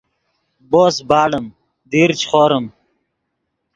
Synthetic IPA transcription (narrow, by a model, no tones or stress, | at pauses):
boːsbaːɽəm | d̪iːɾt͡ɕχoːɾəm